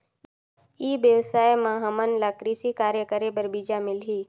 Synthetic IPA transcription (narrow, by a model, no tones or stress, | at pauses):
iːbjəʋsaːjmãɦəmənlakɾisikaːɾjəkəɾebəɾbid͡ʒamɪlɦiː